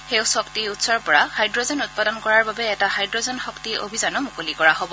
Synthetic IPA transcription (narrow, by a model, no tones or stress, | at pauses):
xewsɔktiutsɔɹpɔɹahajdɹozɔnut̚padɔnkɔɹaɹbabɛɛtahajdɹozɔnxɔktio̰bʱizanɔmukolikɔɹaɦobɔ